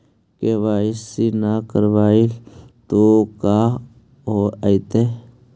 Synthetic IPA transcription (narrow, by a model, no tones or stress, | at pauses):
keʋaːɪsinakəɾʋaːit̪okaː | ɦoait̪e